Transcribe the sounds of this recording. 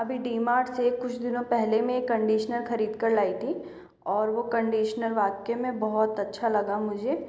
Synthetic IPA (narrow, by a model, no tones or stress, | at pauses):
ɐbʱiɖiːmaːɾɖsekʊt͡ʃʰd̪ɪnõpɛɦlemẽkːɐ̃ɳɖiːʃnəlxɐɾiːd̪kɐɾlaːit̪ʰi | ɔːɾʋokɐ̃ɳɖiːʃnəlʋaːkemẽbɔɦɔt̪ɐtːʃʰalɐɡamʊd͡ʒʱeː